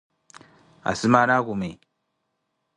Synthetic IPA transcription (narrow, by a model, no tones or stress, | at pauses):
a̰simanakume